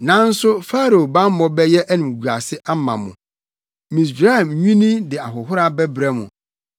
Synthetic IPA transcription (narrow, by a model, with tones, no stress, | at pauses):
nã˨˦n̩˦sʊ˦fa˦ɾo˨o˨bã˦m˦mɔ̃˦bɛ˦jɛ˦ʔæ˦nĩ˨m˨ɡu˨a̰˨sɪ˦ʔa˦mã̰˨mʊ̃˨ | mĩ˨s̬ɾa˦ɛ˨mɲᶣĩ˦nĩ˦dɪ˨a˨ɦʊ˨ɦʊ˦ɾa˦bɛ˦bɾɛ˦mʊ̰̃˨